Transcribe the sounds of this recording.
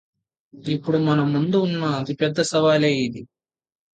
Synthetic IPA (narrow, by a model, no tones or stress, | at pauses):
ipːuɽumɐnɐmːund̪uːnːɐːt̪ipɛd̪ːɐsɐʋaːleːjid̪i